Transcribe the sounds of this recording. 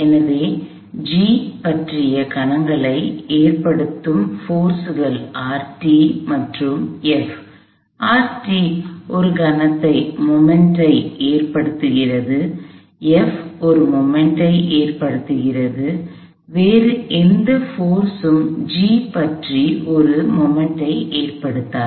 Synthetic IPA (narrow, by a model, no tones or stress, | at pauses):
ɛnɐʋeː | d͡ʒiːpɐʈrɪjɐkɐɳɐŋɡɐɭɐɪeːrpɐɽɯt̪ːɯmfoːɾsɯɣɐlaːɾʈimɐʈrɯmɛf | ʔaːɾʈiʔɔɾɯɡɐnɐt̪ːɐɪmɔmɛɳʈɐɪeːrpɐɽɯt̪ːɯɣɪrɐðɯ | ɛfɔɾɯmɔmɛɳʈɐɪʔeːrpɐɽɯt̪ːɯɣɪrɐðɯ | ʋeːrɯʔɛnd̪ɐfoːɾsɯmd͡ʒiːpɐʈriɔɾɯmɔmɛɳʈɐɪʔeːrpɐɽɯt̪ːaː